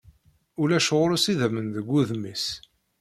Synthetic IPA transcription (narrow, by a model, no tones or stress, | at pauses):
ulæʃʁʊɾusiðæmənðəɡʷːuðmis